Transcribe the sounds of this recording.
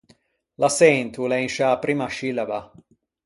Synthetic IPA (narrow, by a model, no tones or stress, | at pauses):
lasɛnt̪ulenʃapɾimaʃilaba